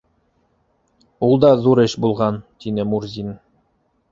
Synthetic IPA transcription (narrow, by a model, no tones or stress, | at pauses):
ulˠd̪ɑðuɾɘʃbulˠʁɑnt̪inɘmuɾzʲin